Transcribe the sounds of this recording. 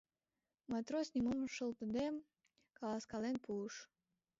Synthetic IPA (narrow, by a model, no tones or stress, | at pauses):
mɑt̪ɾosʲnʲimomʃə̆lt̪əd̪em | kɑlˠɑskɑlenpuəʃ